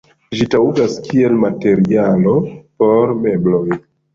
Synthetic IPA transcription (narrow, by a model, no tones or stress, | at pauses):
ʒitauɡaskʰie̞lmate̞ɾialo̞po̞ɾme̞bloj